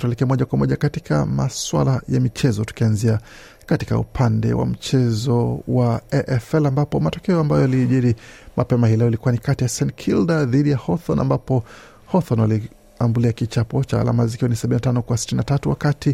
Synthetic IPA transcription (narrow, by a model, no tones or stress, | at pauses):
twɛlɛkɛamɔʄakwamɔʄakatikʰa̰maswa̰lajamit͡ʃɛzɔtu̥kianzia | katika̰ṵpʰandɛ̰wa̰m̩t͡ʃɛzɔwaɛʔɛfɛlambapɔmatɔkɛɔambajɔaliʄiɾimʔapɛmahilɛɔilikuwanikatijasɛnkʰildaðiɗijahɔθɔna̰mbapɔ | hɔθɔnwali | ambuliakit͡ʃapɔt͡ʃaa̰la̰mazikiwanisaɓininatanɔkwasi̥tininatatuwakati